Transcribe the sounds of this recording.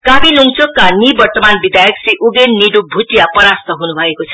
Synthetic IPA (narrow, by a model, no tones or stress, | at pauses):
kabiluŋt͡sokːanibʌrt̪ʌmanbid̪ʱajʌkseʔuɡenːiɖubʱut̪ijapʌɾast̪ʌɦunubʱʌekot͡sʰʌ̥